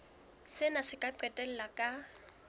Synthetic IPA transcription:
sɪnasɪkʼaǀɛtʼɛl̩lakʼa

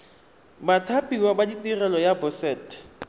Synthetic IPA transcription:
batʰapʼiwabaditʼirɛlɔjabʊsɛːt

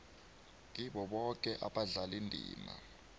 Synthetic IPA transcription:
ŋiɓɔɓɔk̬ʼɛʔaɓaɮalindʱḭːma̰

